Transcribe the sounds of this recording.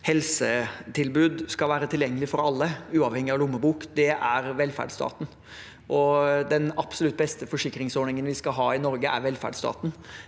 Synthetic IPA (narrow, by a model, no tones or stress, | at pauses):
hɛlsət̪ʰɪlbʉːd̪skɑlʋæːɾət̪ʰɪljɛŋːəlɪfɔɾɑlːəʉːɑʋhɛŋɪɑʋlʊmːəbuːkd̪ɛʔæɾʋɛlːfæ̰ɖst̪ɑ̰ːt̪n̩ | ʔɔd̪ɛnɑpsɔlʉt̪ːbɛst̪əfɔʂɪkɾɪŋsɔːɳɪŋənʋɪskɑɦɑːɪnɔɾɡəʔæ̰ɾʋɛlfæ̰ɖst̪ɑ̰ːt̪n̩